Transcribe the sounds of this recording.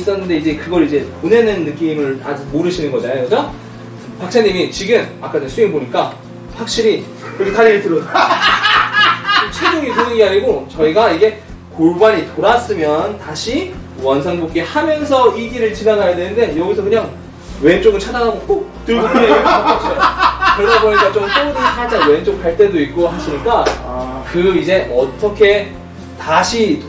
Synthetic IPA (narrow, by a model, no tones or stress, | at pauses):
s͈ʌnːɯnde̞id͡ʑe̞kɯɡʌɾid͡ʑe̞pone̞nɯnːɯk͈imɯɭad͡ʑumoɾɯɕʰinɯnɡʌd͡ʑanɯd͡ʑa | pak̚sʰaɲːimit͡ɕiɡɯmak͈ʰadɯsʰuimboɲik͈a | ɸwak̚ɕ͈iɾi | kʌd͡ʑetaɾeɯɭtɯɾʌta | ʌt͡ɕʰwedoŋikonɯɡeaɲiɡot͡ɕʌiɡaiɡe̞ | koɭbaɲitoɾas͈ɯmjʌntaɕʰi | wʌnsʰaŋbok͈ihamjʌnsʰʌiɡiɾɯɭt͡ɕinanajadwenɯnde̞jʌɡisʰʌkɯɲaŋ | we̞nt͡ɕ͈oɡɯɭt͡ɕʰadanamok͈ok̚t͈ɯɾɡokeoaʌt͡ɕ͈ʌkɯɾʌdaboɲik͈at͡ɕomt͈odasad͡ʑaŋwe̞nt͡ɕ͈ok̚paɭt͈e̞doit̚k͈oɦaɕʰiɲik͈akɯid͡ʑe̞ʔʌt͈ʌkʰe̞ | taɕʰi